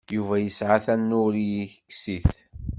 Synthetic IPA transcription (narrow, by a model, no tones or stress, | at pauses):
juvæjəsʕaθænːʊɾijiçə̥kːsiθ